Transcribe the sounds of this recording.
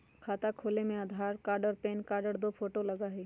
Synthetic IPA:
kʰaːt̪akʰoːlemẽad̪ʱaːɾkaːɾɖəɾpeːnkaːɾɖəɾd̪ofʰoːʈolɐɡaɦɛː

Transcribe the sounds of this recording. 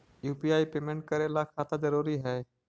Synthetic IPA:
juːpiaːipeːmẽɳʈ̚kəɾelakʰaːt̪ãd͡ʒəɾuːɾiɦɛː

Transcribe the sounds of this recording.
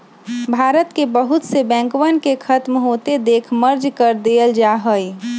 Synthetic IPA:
bʱaːɾət̪kebəɦʊt̪sebɛ̃ːŋkwənkekʰət̪mɦoːt̪ed̪eːkʰməɾd͡ʒkəɾd̪eːəld͡ʒaɦə

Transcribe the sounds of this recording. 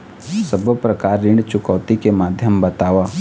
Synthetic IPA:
səbəpɾɐkaːɾːɪ̃ɳɖt͡ʃʊkɔːt̪ikemaːd̪ʱjəmbɐt̪aːʋaː

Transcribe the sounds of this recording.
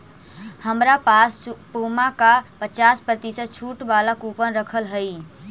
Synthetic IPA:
həmɾapaspomakapət͡ʃaːspɾət̪isət̪̚t͡ʃʰuʈbaːlakupənɾəkʰəlɦəi

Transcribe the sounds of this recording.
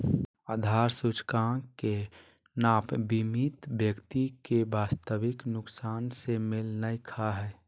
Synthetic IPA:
aːd̪ʱaːɾsʊt͡ʃkãke | naːpbimit̪bjəkt̪ikebaːst̪əʋɪknʊksaːnsemɪlnəjkʰaɦɛː

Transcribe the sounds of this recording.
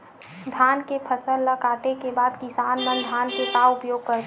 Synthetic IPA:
d̪ʱaːnkepʰəsəlːəɡaːʈ̪ekebaːd̪kɪsaːnmə̃nd̪ʱaːnkekaʊpjoːɡ̚kəɾt̪

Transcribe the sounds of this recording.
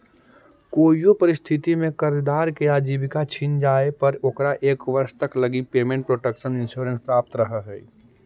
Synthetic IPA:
koːjjopɐɾɪst̪ʰɪt̪imẽkɐɾd̪aːɾkeaːd͡ʒiːbɪkat͡ʃʰɪnd͡ʒaːepɐɾokɾaʔeːkʋɐɾʃt̪ɐklɐɡipeːmẽɳʈ̚pɾoːʈəkʃənɪ̃nʃuːɾə̃nspɾaːp̚t̪ɾəɦəɦɛ̰ː

